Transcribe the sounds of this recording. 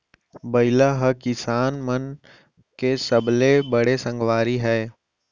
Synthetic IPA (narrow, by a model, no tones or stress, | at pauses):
bɐɪlaɦəkɪsaːnmən | kesəblebəɽesə̃ŋɡʋaːɾiɦɛː